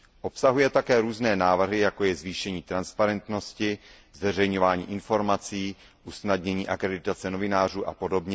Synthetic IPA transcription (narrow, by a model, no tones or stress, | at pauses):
ʔo̞psaɦujɛt̪akɛːɾuːznɛːnaːvr̩ɦɪjako̞jɛzviːʃɛɲiːt̪ɾanspaɾɛnt̪no̞scɪ | zvɛrɛjɲo̞vaːɲḭːʔɪnfo̞ɾmat͡siː | ʔusnadɲɛɲiːʔakɾɛdɪt̪at͡sɛno̞vɪnaːr̝uːʔa̰po̞do̞bɲɛ